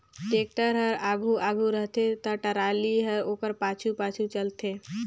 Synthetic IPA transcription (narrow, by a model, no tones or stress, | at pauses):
ʈeːk̚ʈəɾɦəɾaːɡʱuʔaːɡʱuɾəɦt̪et̪əʈəɾaːliɦəɾoːkəɾpaːt͡ʃʰupaːt͡ʃʰut͡ʃəlt̪eː